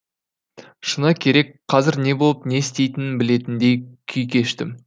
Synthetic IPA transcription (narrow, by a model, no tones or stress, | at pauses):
ʃənɑkʲʰe̞ɾe̞kqʰɑzɪɾne̞bo̞lˠəpne̞st̪e̞jt̪ɪnɪnbɪle̞t̪ɪnd̪e̞jkʲʰʏjkʲʰe̞ʃt̪ɪm